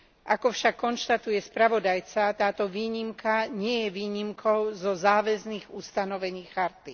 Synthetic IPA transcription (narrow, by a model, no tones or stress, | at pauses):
ʔakɔfʃakːɔnʃt̪at̪ujɛspɾaʋɔd̪ajt͡sat̪aːt̪ɔʋiːɲimkaɲɪɛjɛʋiːɲimkʰɔʊzɔzaːʋɛzniːɣust̪anɔʋɛɲiːxaɾt̪i